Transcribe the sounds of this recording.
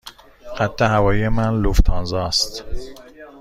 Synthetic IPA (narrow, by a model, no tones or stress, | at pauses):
qæt̪ʰːehævɒːjijemænluft̪ʰɑnzɑːst̪